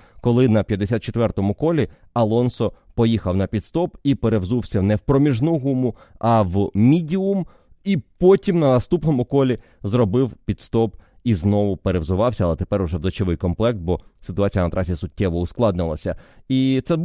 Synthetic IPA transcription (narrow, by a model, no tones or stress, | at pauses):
kɔlˠɪnɐpʲjɐd̪ːesʲat̪̚t͡ʃet̪ʋɛrt̪ɔmʊkɔlʲi | ɐlˠɔnsɔpɔjixɐwnɐpʲit̪st̪ɔpipeɾewzuwsʲɐnɛwpɾɔmʲiʒnɔɦumʊɐʋmʲidʲiʊm | ipɔtʲimnɐnɐst̪upnɔmʊkɔlʲi | zrɔbɪwpʲid̪st̪ɔp | iznɔʋʊpeɾewzʊʋɑwsʲɐɐlˠɛt̪e̥pɛɾʊʒɛwzɐt͡ʃeʋɪjkɔmplˠɛk̚t̪̚bɔsɪt̪ʊɑt͡sʲijɐnɐt̪ɾʔɑsʲisʊtʲːɛʋɔʊsklˠɑd̪nɪlˠɐsʲɐit̪sɛ